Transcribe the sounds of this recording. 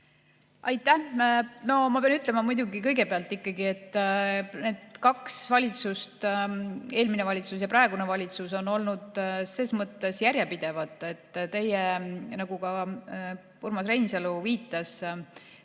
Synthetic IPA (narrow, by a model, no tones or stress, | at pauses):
ɑjt̪ˑːæhno̞mɑpeɑnyt̪ːˑlemɑmujd̪uɡikɤjɡe̞peɑlt̪ˑːikːˑɑɡie̞t̪ˑː | ne̞ːd̪̥kɑksvɑlʲit̪sust̪ | e̞ːlmine̞vɑlʲit̪sus̬jɑpɾɑe̞ɡune̞vɑlʲit̪suso̞no̞lnud̪̥se̞ːsmɤt̪ːe̞sjæɾjepid̪̥e̞vɑt̪ˑːe̞t̪ːˑt̪e̞jenɑɡ̥ukɑ | purmɑsrejnseluviːt̪ːˑɑs